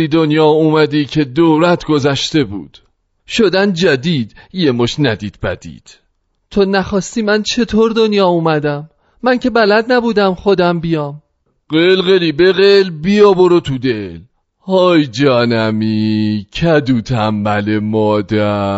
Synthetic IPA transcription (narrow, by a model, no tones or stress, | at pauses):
iːd̪onjɒːuːmæd̪iːcʰe̞d̪oɾæt̪ʰɡozæʃt̪e̞bṵːd̪̥ | ʃod̪ænd͡ʒæd̪iːd̪jemoʃnæd̪iːd̪̥̚bæ̰d̪̥ḭːd̪̥ | t̪ʰonæχɒːst̪iːmænt͡ʃʰe̞t̪ʰoːɾd̪onjɒːuːmæd̪æmː | æncʰe̞bælæd̪̚næbuːd̪æmχod̪æmbijɒːm | ɢelɣeliːbeɣelbijɒboɾot̪ʰud̪el | hɒːjd͡ʒɒːnæmicʰæd̪uːt̪ʰæmːæle̞mɒːd̪æ